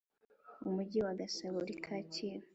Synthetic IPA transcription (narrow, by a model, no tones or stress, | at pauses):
umuɟiwaɡasaβoɾikʰacʰiːɾa